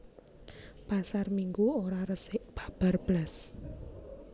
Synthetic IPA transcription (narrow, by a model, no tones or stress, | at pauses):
pasarmiŋɡuoɾaɾəsɪʔb̥ḁ̤b̥a̤rb̥las